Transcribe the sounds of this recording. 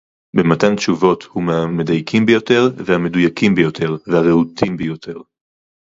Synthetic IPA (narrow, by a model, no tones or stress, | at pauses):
bematantt͡ʃuvo̞thumamedajkʰimbejo̞te̞ʁvehame̞dujakimbejo̞tʰe̞ʁvehaʁeutʰimbejo̞tʰe̞ʁ